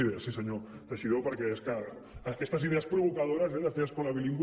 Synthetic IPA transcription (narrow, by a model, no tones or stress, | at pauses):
iðeasiseɲoreʃiðowpaɾkeeskaɾakest̪ɐsiðeɐspɾoβokaðoɾazɛðazðeaskolaβiliŋɡw